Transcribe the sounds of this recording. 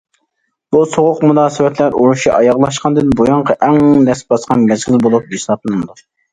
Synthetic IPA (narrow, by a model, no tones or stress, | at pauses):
b̥usoʁʊqmunɑːsɨwɛt̪ʰlæɾuɾuʃiʔɑjɑʁlˠɑʃqɑnd̪ɪnbojɑɴqʰɑʔɛŋnɛsbɑsqɑnmɛzʁɪlbolˠup̚esɑp̚lˠɨnnɨd̪u